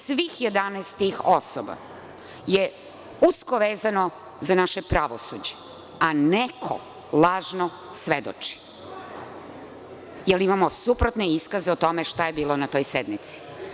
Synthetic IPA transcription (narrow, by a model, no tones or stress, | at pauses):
sʋiːxjed̪anestt̪ixosoba̰ | je | uskoʋeːzano | zanaʃepɾaʋosud͡ʑe | anekʰo̰ | lˠaːʒno | sʋed̪o̰t͡ʂi̥ | jelimamosupɾot̪neiskazeot̪o̞meʃt̪ajebiːlˠonat̪o̞jsed̪nmit̪si̥